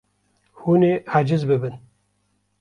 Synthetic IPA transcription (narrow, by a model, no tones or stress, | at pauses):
huːneːhad͡ʒɪzbɨbɨn